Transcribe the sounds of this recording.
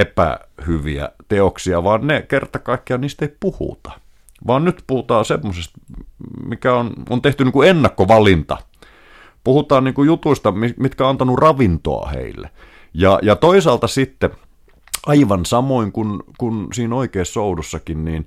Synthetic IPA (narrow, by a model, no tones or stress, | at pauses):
epæ̰hyʋḭæ̰t̪eoksiɑʋɑːnnekert̪ɑkɑikːiɑniːst̪eipuhṵt̪ɑ̥ | ʋɑːnnyt̪puhut̪ɑːsemːosest̪mikæono̰nt̪eht̪yniːkuenːɑkːoʋɑlint̪ɑ̰ | puhut̪ɑːnniːŋkujut̪uist̪ɑmimit̪kæoɑnt̪ɑnurɑʋint̪o̰ɑ̰hḛilːḛ | jɑ̰jɑt̪oisɑːlt̪ɑsit̪ːe | ɑiʋɑnsɑmoiŋkunkunsiːnoikeːssoudusːɑkinniːn